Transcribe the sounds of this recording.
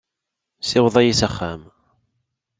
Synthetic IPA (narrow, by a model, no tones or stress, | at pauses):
sɪwðˤɑjisəχːæm